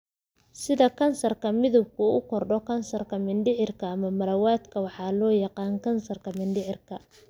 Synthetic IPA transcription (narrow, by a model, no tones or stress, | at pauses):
sɪðɐkʰɐnsɐrkʰɐmɪðʊb̚kʰʊʊkʰɔrɖɔkʰɐnsɐrkʰɐmɪnɖɪʕɪrkʰɐːmɐmɐlɐwaːd̪kʰɐwɑħɑːlɔːjɑqɑːnkʰɐnsɐrkʰɐmɪnɖɪʕɪrkʰɐ